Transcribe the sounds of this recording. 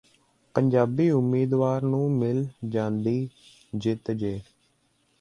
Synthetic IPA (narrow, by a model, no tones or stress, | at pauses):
pəɲd͡ʒaːbiːʊmːiːd̪ʋaːɾnũːmɪld͡ʒãːnd̪iː | d͡ʒɪt̪d͡ʒeː